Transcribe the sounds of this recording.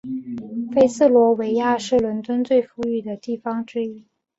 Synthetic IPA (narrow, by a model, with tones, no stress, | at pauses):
fe˥ɪs̩˥˩lwɔ˧˥we˧˥ɪja˥˧ʂɻ̩˥˩lwə˧˥nt̪wə˥nt͡swe˥˧ɪfu˧˥y˥˩d̪ə˩t̪i˥˩fɑ˥ŋʈ͡ʂɻ̩˥i˥